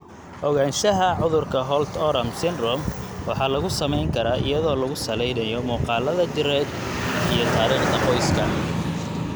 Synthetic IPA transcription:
ʔɔɣaːnʃɐɦɐʕʊðʊrkʰɐɦɔlt̪ʰɔɾɐmsɪnrɔmwɑħɑːlɐɣʊsɐmɛjŋkʰɐɾaːʔɪ̰jɐðɔːlɐɣʊsɐlɛjnɐjɔmɔːqɑːlɐðɐd͡ʒɪrɛːd̪ | ijɔt̪ʰaːɾiːχd̪ʰɐqɔjskʰɐ̰

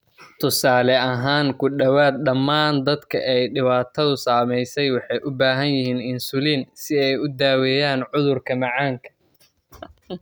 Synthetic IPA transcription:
t̪ʰʊsaːlɛɐɦaːŋkʰʊɖɐwaːd̪̚ɖɐmːaːnd̪ɐd̪kʰɐ̰ʔɛjɖɪβaːt̪ʰɐðʊsaːmɛjsɛjwɑħɑjʔʊbaːɦɐnjɪɦiːnɪnsʊliːnsɪɛjʊd̪aːwɛːjaːnʕʊðʊrkʰɐmɑʕaːŋkʰɐ̥

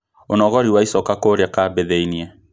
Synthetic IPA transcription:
onɔɣɔɾiwaisɔkakoɾjakabeðeiniɛ

